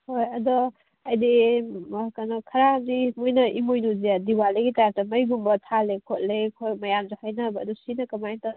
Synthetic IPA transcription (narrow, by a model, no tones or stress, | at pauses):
hojɐdɔ | ɐjdi | kanɔkʰɐɾamdimojnɐʔimojnuzijadiwaliɡitajaɾ̚tɐmɐjɡumbɐtʰalekʰot̚lekʰojmɐjamzehajnɐbɐdusinɐkɐmajnta